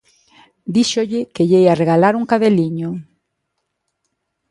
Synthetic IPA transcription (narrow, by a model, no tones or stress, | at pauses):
d̪iʃoʎɪkeʎejareɣalaɾuŋkaðeliɲo